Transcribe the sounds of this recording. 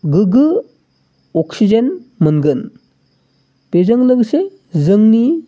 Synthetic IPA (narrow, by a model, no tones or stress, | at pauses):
ɡɯɡɯ | ɔksid͡ʒenmɯnɡɯn | b̥ezəŋləɡse | zɯŋni